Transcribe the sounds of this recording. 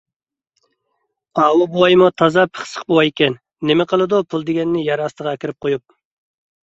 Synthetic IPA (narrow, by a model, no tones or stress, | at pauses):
ɑːwɨbowɑjmut̪ʰɑzɑpʰə̥χsə̥χbowɑjekʲɛnː | emɪqəlˠɨd̪upʰulˠd̪ɪɡʲɛnːɪjɑɾɑst̪əʁɑɛkʲiɾɪp̚qʰojup̚